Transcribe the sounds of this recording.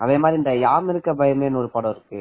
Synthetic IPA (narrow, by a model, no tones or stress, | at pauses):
ɐʋeːmaːd̪ɾiɪnd̪ɐjaːmɪɾɯkːɐbɐjɐmeːnːɐɔɾɯpɐɽɐ̃ːɪɾɯkːɯ